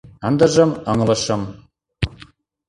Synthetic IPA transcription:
ɤnd̪ɤ̆ʒɤ̆mɤŋlɤ̆ʃɤ̆m

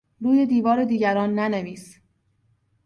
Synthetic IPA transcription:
ɾuːje̞d̪iːvɒːɾed̪iːɟæɾɒːnːæneviːs

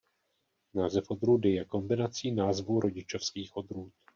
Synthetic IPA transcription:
naːzɛfʔo̞d̪ɾuːdɪjɛko̞mbɪnat͡siːnaːzvuɾʔo̞ɟɪt͡ʃofskiːxʔo̞d̪ɾuːt̪

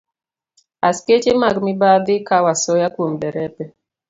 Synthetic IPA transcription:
asket͡ʃemaɡmɪbad̪ɪkawasɔjakwombɛɾɛpɛ

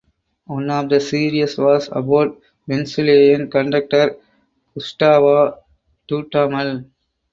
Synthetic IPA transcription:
wʌ̃nɔːfd̪ɐsiːɾiəsʋɔːsɐ̰baʊʈ̚ | ʋɛ̃nsɪleːjə̃nkɐ̃ɳɖɐk̚ʈəɾ | kʊsʈaːʋaː | ʈuːʈaːmɐl

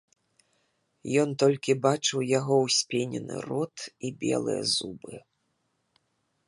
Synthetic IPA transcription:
jɔnt̪ɔlʲkʲibat͡ʂɨwjaɣɔwsʲpʲenʲɛ̰nɨ̰rɔt̪ibʲɛ̰lˠɨ̰jɛ̰zubɨ

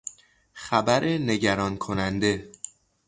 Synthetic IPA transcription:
xæbæɾʔe̞ne̞ɟæɾɒːnkʰo̞nænd̪e̞

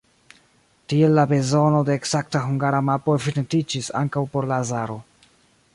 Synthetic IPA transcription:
tie̞lːabe̞zo̞no̞de̞ːkz̥ak̚taɦuŋɡaɾamapo̞efinantid͡ʒisa̰ŋkawpo̞ɾlazaɾo̞

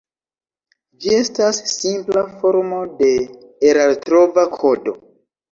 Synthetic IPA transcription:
d͡ʒie̞stasːimplafo̞ɾmo̞de̞ | eɾaltɾo̞vakʰo̞do̞̰

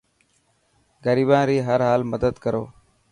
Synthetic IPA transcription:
ɡəɾiːbãːɾiːɦəɾɦaːlməd̪əd̪kəɾoː

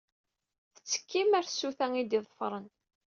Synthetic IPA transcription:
θə̥t͡sːə̥kːimæɾsːuθæŋid̪iðˤfɾˤən

